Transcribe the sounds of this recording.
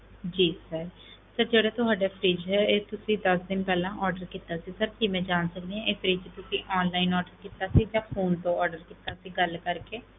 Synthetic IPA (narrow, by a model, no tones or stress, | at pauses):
d͡ʒiːsəɾ | səɾd͡ʒeːɽeːt̪ʊɦaːɖeːpʰɾiːd͡ʒɦɛːeːt̪ʊsĩːd̪əsd̪ɪnpɛːlãːʔɔːɾɖəɾkit̪aːsiːsəɾkimɛ̃ːd͡ʒaːnsək̚d̪eɛ̃eːpʰɾiːd͡ʒt̪ʊsĩːʔɔːnlaːinɔːɾɖəɾkɪt̪aːsiːd͡ʒãːpʰoːnt̪õːɔːɾɖəɾkit̪aːsiːɡəlkəɾkeː